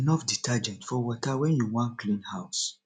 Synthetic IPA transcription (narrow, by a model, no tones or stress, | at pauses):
nɔfditʰad͡ʒɛ̃ntfɔwɔtawɛ̃njuwɔ̃nklĩnhaʊs